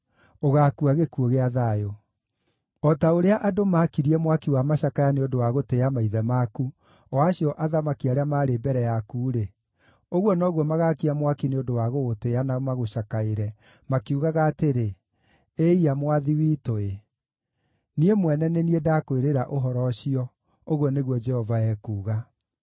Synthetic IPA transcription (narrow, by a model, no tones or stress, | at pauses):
oɣakuaɣekoɣeaðajo | ɔtaoɾeaʔadomakiɾiɛmwakiwamaʃakajaneodowaɣoteamaiðɛmaku | ɔaɕiɔʔaðamakiaɾeamaːɾebɛɾɛjakuːɾe | oɣwɔnɔɣwɔmaɣakiamwakineodowaɣoɣoteanamaɣoɕakaeɾɛ | makiuɣaɣaːteɾe | eiamwaðiwitoe | niemwɛnɛneniedakoeɾeɾaʔoɦɔɾɔʃiɔ | oɣwɔneɣwɔd͡ʒɛhɔvaɛːkuːɣa